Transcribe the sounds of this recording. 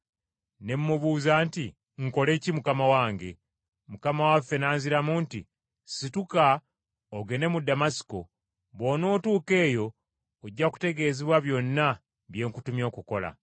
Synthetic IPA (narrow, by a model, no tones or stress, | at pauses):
ne̞mːuβuːzaːnti | ŋ̩ko̞le̞cimukamawaːŋɡe̞̰ | mukamawafːe̞naːnziɾamuːntḭ | situka | oɡe̞ne̞mudːamasi̥ko̞ | βwono̞ːtuːke̞ːjo̞ː | ɟːaku̥te̞ɡe̞ːziβwaβjo̞nːa | βje̞ːŋkutumjo̞ːkuko̞la̰